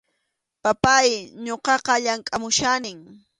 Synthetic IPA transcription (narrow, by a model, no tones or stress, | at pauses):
papajɲoqɑqɑʎaŋkʼamʊʃanɪŋ